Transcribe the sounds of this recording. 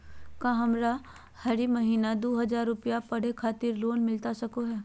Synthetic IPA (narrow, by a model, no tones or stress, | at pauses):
kãːɦɐmɾa | hɐɾimɐɦiːnad̪oːɦɐzaːɾːʊpijapɐɽ̤ekʰaːt̪ɪɾloːnmɪlt̪asɐkoɦɛː